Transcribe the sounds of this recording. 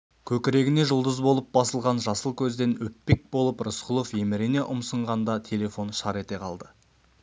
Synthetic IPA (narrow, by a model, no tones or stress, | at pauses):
kʲʰɵkʲɪɾe̞ɡʲɪne̞ʒʊlˠd̪əzbo̞lˠəp̚bɑsəlˠʁɑnʒɑsəlˠkʲʰɵzd̪e̞nwɵpːe̞k̚bo̞lˠəprəsqʰʊlˠofje̞mɪɾene̞ʔʊmsəɴʁɑnd̪ɑt̪ʰe̞lʲe̞fo̞nʃɑɾe̞t̪e̞qʰɑlˠd̪ə